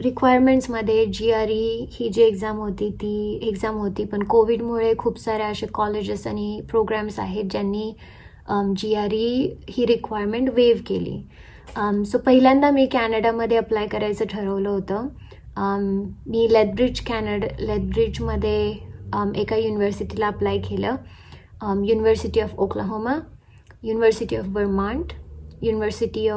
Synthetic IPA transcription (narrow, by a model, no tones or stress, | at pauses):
ɾikʋajəɾmeɳʈsməd̪ʱːjed͡ʑiaɾihiːd͡ʑiːeɡd͡zamɦot̪iːt̪iːeɡd͡zamɦot̪iːpəɳkoʋiɽmuɭekʰuːpsaɾeəɕekɔled͡ʑəsañipɾoɡɾamsa̰ɦet̪̚d͡ʑjanːiː | d͡ʑiaɾihiːɾikʋajɾmeɳʈʋeʋkelḭː | sopəɦiljãnd̪amiːkænəɽaməd̪ʱːjeəplajkəɾajt͡səʈʰəɾəʋləɦot̪ə | miːlet̪̚bɾid͡ʑkænəɽlet̪̚bɾid͡ʑməd̪ʱːje | ekajuniʋəɾsiʈilaːplajkʰelə | juniʋəɾsiʈiɔfokləɦoma | juniʋəɾsiʈiɔfbəɾmaɳʈjuːniʋəɾsiʈiɔ